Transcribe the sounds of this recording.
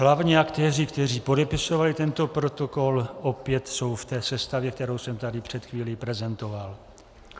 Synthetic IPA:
ɦlavɲiːakt̪ɛːrɪkt̪ɛr̝iːpo̞dɛpɪso̞valɪt̪ɛnt̪o̞pɾo̞t̪o̞ko̞lʔopjɛt̪so̞wft̪ɛːsɛst̪avjɛkt̪ɛɾo̞wsɛmt̪adɪpr̝̥ɛt̪xviːlipɾɛzɛnt̪o̞val

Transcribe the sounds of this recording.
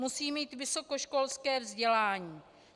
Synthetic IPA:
musiːmiːt̪vɪso̞ko̞ʃko̞lskɛːvzɟɛlaːɲiː

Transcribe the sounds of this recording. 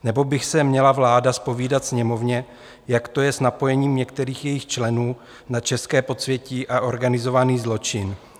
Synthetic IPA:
nɛbo̞bɪxsɛmɲɛlavlaːdaspo̞viːdat̪sɲɛmo̞vɲɛ | jakt̪o̞jɛsnapo̞jɛɲiːmɲɛkt̪ɛɾiːxjɛjɪxt͡ʃlɛnuː | nat͡ʃɛskɛːpo̞t͡svjɛciːʔaʔo̞ɾɡanɪzo̞vaniːzlo̞t͡ʃɪn

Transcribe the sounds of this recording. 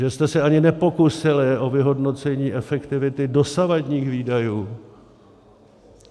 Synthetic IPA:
ʒɛst̪ɛsɛaɲɪnɛpo̞kusɪlɪʔo̞vɪɦo̞dno̞t͡sɛɲiːʔɛfɛkt̪ɪvɪt̪ɪdo̞savadɲiːxviːdajuː

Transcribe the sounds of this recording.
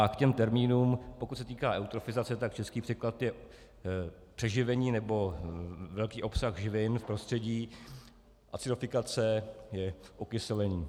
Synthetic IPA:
akcɛmt̪ɛɾmiːnuːmpokut̪sɛt̪iːkaːʔɛwt̪ɾo̞fɪzat͡sɛt̪ak̚t͡ʃɛskiːpr̝̥ɛklat̪jɛ | pr̥ɛʒɪvɛɲiːnɛbo̞vɛlkiːʔo̞psaxʒɪvɪnfpɾo̞st̪r̥ɛɟiː | ʔa̰t̪t͡sɪdofɪkat͡sɛjɛʔokɪsɛlɛɲiː

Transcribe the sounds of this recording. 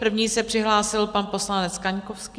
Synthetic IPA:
pr̩vɲiːsɛpr̝̥ɪɦlaːsɪlpanpo̞slanɛt͡skaɲkofski

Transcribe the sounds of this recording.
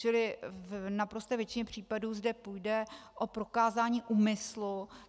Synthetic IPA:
t͡ʃɪlɪvnapɾo̞st̪ɛːvjɛt͡ʃɪɲɛpr̝̥iːpaduːzdɛpujdɛʔopɾo̞kaːzaːɲiːʔuːmɪslu

